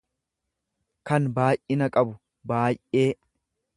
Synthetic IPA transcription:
kɐnbaːjʔɪnɐkʼɐbʊ | baːjʔʔeː

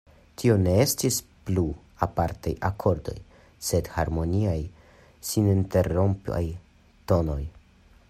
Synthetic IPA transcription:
tʰio̞ne̞e̞stisplu | apaɾtajʔakʰo̞ɾdo̞̰j | se̞dhaɾmo̞niaj | sininte̞ɾo̞mpa̰j | to̞no̞j

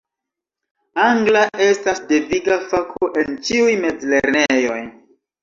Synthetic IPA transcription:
aŋɡlaʔe̞stasdeviɡafakʰoʔe̞nt͡ʃiujme̞d͡zle̞ɾnejo̞j

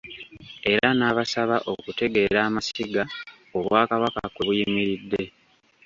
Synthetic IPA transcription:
e̞ɾanaːβasaβaʔo̞kute̞ɡe̞ːɾaːmasiɡa | o̞βwaːkaβaka̰kweβujimiɾid̞ːe̞

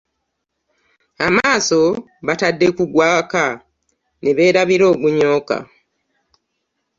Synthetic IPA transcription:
amaːso̞ | βatadːekuɡwaːka | neβe̞ːɾaβiɾo̞ːɡuɲo̞ːka̰

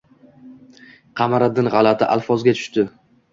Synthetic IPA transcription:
qʰɑmaɾad̪ɪnʁɑlat̪ʰɪʔalfɒzɡʲat̪ʰʊ̥ʃt̪ɪ

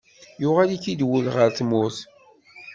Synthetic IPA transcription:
jʊʁalikid̪wulʁəɾθmʊθ

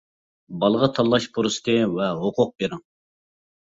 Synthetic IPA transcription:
bɑlˠəʁɑt̪ʰɑlˠːɑʃpʰuɾɨsɨ̥t̪ʰɨvɛɦoqʰʊq̚beɾɪŋ

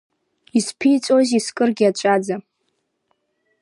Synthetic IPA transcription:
ispʰijt͡sʼozʲiskʼɨrɡʲiat͡ʃʷʼad͡za

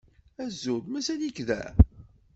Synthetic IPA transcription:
æzːuðmæsænikðæ̰

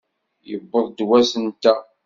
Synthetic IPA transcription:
jəbːəðˤd̪wæsənt̪æ

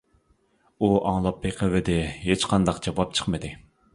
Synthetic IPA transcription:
uɑŋlˠɑpːeqʰəvɪd̪ɪɦet͡ʃqʰɑnd̪ɑqd͡ʒɑwɑp̚t͡ʃʰə̥χmɨd̪ɪ

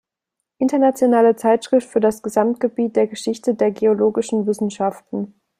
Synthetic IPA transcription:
ʔɪntɐnat͡sjonaːlət͡saɪtʃʁ̥ɪftfyːɐdasɡ̥əzamt̚ɡ̥əbiːt̚d̥eːɐɡəʃɪçtədeːɐɡeoloːɡɪʃn̩vɪsn̩ʃaftn̩

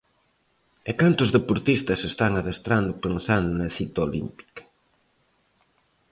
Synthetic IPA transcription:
ekant̪ʊzðepoɾt̪ist̪ɐsest̪aŋaðest̪ɾand̪ʊpensand̪ʊnɐθit̪olḭmpi̥k

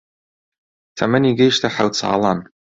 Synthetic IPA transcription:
tʰamaniɡʲejʃtʰaħawt͡sʰa̰lan

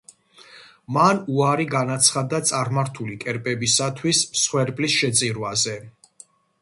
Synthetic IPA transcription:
manuaɾiɡanat̪sʰχad̪at̪sʼaɾmaɾt̪ʰulikʼɛɾpʼɛbisat̪ʰwissχwɛɾbʼlisʃɛt̪sʼiɾwazɛ

